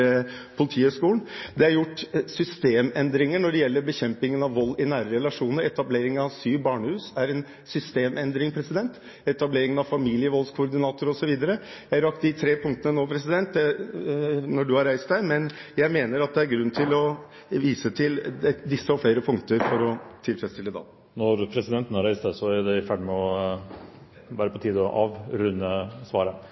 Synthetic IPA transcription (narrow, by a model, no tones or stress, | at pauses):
pʰʊlɪt̪ʰiːʉʂkuːɳ̩d̪ɛæɾjʊʈːsʏst̪eːmɛnd̪ɾɪŋəɳɔɖɛjɛlːəɾbəçɛmpɪŋənɑʋʋɔlːɪnæːɾəɾɛlɑʂuːnəɾɛt̪ɑbleːɾɪŋənɑʋsyːbɑːɳəhʉːsæɾɛn | sʏst̪eːmɛnd̪ɾɪŋpʰɾɛsɪd̪ɛnt̪ | ɛt̪ɑbleːɾɪŋənɑʋfɑmiːlɪəʋɔlskʰʊːɾd̪ɪnɑːt̪ʊɾɔsɔʋiːd̪əɾəjæɪɑɾɑk̚t̪d̪ɪt̪ʰɾeːpʰʊŋkt̪ənənoːpʰɾɛsɪd̪ɛnt̪̚d̪ɛ | nɔɖʉhɑɾæɪst̪d̪æɪmɛnjæɪmeːnəɾɑt̪̚d̪ɛæɾɡɾʉnːt̪ʰɪlɔ | ʋiːsət̪ʰɪlɛd̪ɪsːəɔfɽeːɾəpʰʊŋkt̪əɾfɔɾɔt̪ʰɪlfɾɛt̪st̪ɪlːəd̪ɑ̰ː | nɔɾpʰɾɛsɪd̪ɛnt̪ən̩hɑɾæɪst̪d̪æɪsɔæd̪ɛɪfæɖɪmɛɔ | ʋæːɾəpʰɔt̪ʰiːd̪ɔʔɑ̰ːʋɾʉnːəsʋɑːɾə